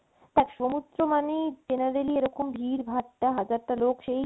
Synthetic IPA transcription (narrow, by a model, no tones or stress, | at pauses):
t̪ɛkʃomut̪ːɾomaned͡ʑenaɾelieɾɔkombʱiɾbʱaʈʈaɦad͡ʑaɾʈalokʃej